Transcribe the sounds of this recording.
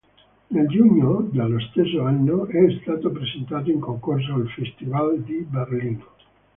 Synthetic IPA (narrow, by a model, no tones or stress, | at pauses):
neld͡ʒuɲːod̪alost̪esːoanːoɛst̪aːt̪opɾezent̪aːt̪̬oiŋkoŋkors̬oalfest̪ivald̪iberliːno